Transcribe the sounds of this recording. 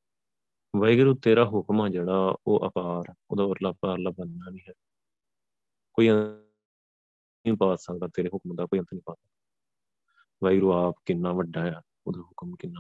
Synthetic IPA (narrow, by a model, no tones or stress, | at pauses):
ʋaiɡɾuːt̪eːɾaːɦʊkmãːd͡ʒeːɽaːoːʔə̰paːɾo̰ːd̪aːoːɾlaːbaːɾlaːbənːaːnĩːɦɛː | koːiːə̃ | ĩːpaːsad̪at̪eːɾeːɦʊkmd̪aːkoːiənt̪nĩːpaːt̪aː | ʋajɡɾuːaːpkɪnːaːʋəɖaːjaː | o̰ːd̪aːɦʊkmkɪnːaː